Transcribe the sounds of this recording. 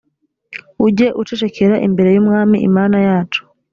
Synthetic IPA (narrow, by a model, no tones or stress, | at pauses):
uɟe̞ʔut͡ʃet͡ʃe̞kʰe̞ɾaʔḭmbe̞ɾe̞jumŋaːmiʔḭmaːnajaːt͡ʃu̥